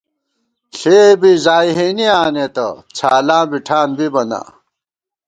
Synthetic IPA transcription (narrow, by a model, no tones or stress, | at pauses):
ɬeːbizaːiɦeniaːnet̪ɐ̰t͡ɕʰaːlãːbiʈʰaːnbibɐna̰ː